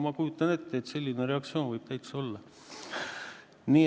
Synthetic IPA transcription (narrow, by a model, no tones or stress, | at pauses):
mɑkujut̪ːˑɑne̞t̪ːˑet̪ːse̞lʲːineɾe̞ɑk̚t̪sioːnvɯjb̥t̪æjk̪so̞lːɑ | niː